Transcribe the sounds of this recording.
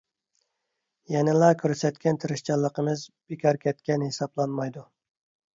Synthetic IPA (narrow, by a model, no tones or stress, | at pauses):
jɛnɪlˠɑkʲʰøɾsɛt̪kʲɛnt̪ʰɪɾɪʃt͡ʃɑlˠːəqəmɨzb̥ekʲʰɑɾkʲʰɛt̪̚kʲɛnhesɑblˠɑnmɑjd̪u